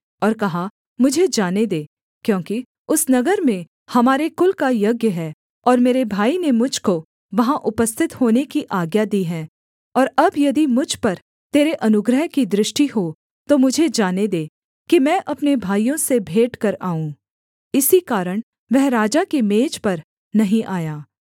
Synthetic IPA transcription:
ɔːɾkɐɦa | mʊd͡ʒʱed͡ʒaːned̪eː | kjõːki | ʊsnɐɡəɾmẽ | hɐmaːɾekʊlkajɐɡjəɦɛ | ɔːɾmeːɾebʱaːinemʊd͡ʒʱko | ʋɐɦãʔʊpəst̪ʰɪt̪hoːnekiʔaːɡjad̪iːɦɛ̃ː | ɔːɾɐbjɐd̪imʊd͡ʒʱpɐɾ | t̪eːɾeʔɐnʊɡɾəɦkid̪ɾɪʃʈiɦo | t̪omʊd͡ʒʱed͡ʒaːned̪eː | kimɛ̃ːʔɐpnebʱaːijõsebʱeːʈkɐɾaːũː | ɪsikaːɾəɽ̃ | ʋɛɦɾaːd͡ʒakemeːd͡ʒpɐɾ | nɐɦĩʔaːjaː

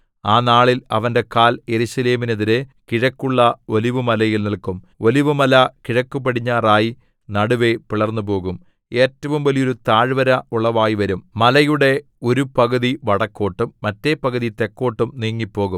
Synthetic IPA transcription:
aːnaːɭilɐ̰ʋɐnde̞kaːljeɾuɕɐle̞ːmineðiɾekiɻɐkːuɭːɐo̞liʋumɐlɐjilnilkum | o̞liʋumɐlɐkiɻɐkːupɐɽiɲːaːraːji | nɐɽuʋe̞piɭɐrnːup̬o̞ːɣum | e̞ːtːɐʋumʋɐlijo̞ɾut̪aːɻʋɐɾɐuɭːɐʋaːjiʋɐɾummɐlɐjuɽe̞ | o̞ɾupɐɣɐðiʋɐɽɐkːo̞ːʈːumːɐtːe̞pɐɣɐðit̪e̞kːo̞ːʈːumniːŋːipːo̞ːɣum

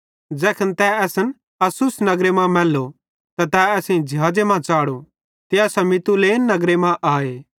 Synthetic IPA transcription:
d͡ʒɛːkʰənt̪ɛɛːsən | ɐsʊsnɐɡɾemãmɛːlːo | t̪at̪ɛɛːsẽĩd͡ʒʱɪɦaːd͡ʒemãːt͡ʃaːɽo | t̪eɛːsɐmɪt̪uleːnːɐɡɾemãʔaːeː

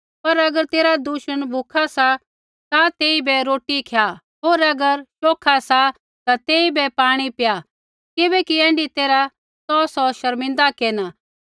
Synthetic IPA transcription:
pɐɾɐɡəɾt̪eːɾad̪uʃənbʱukʰasa | t̪at̪eːibɛɾoːʈikʰeja | ɦoːɾɐɡəɾʃoːkʰasa | t̪at̪eːibɛpaːɽ̃ipɪja | kɪbɛkiɛ̃ːɳɖit̪eːɾa | sɔsɔʃɐɾmɪ̃nd̪akeːna

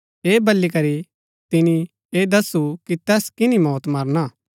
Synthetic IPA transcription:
eːbɐlːikɐɾi | t̪ɪnĩ | eːd̪ɐsukit̪ɛːskɪnĩmɔːt̪mɐɾnaː

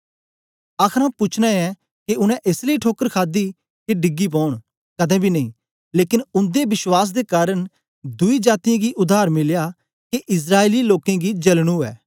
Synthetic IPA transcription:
aːkʰɾãpʊt͡ʃʰnãɛ̃ | keʊnɛ̃ʔeːsləiʈʰoːkəɾkʰaːd̪i | keɖɪɡːip̬ɔ̃ːɽ̃ | kɐd̪ɛ̃ːbʱinɐĩː | leːkɪnʊ̃nd̪ebɪswaːs̬d̪ekaːɾəñ | d̪ʊid͡ʒaːt̪ijãɡiʔʊd̪ʱaːɾmɪlja | keʔɪs̬ɾaːeːliloːkẽɡid͡ʒɐlɽ̃uːɛ̰ː

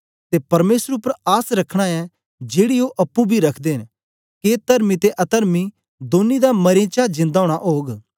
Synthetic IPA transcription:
t̪epɐɾmeːsəɾʊpːəɾaːsɾɐkʰɽ̃aɛ | d͡ʒeːɽioʔɐpːubʱiɾɐkʰd̪eːɦɪn | ket̪ɐɾmit̪eʔɐt̪əɾmi | d̪oːnid̪amɐɾẽːt͡ʃad͡ʒɪ̃nd̪aːɽ̃aʔoːɡ

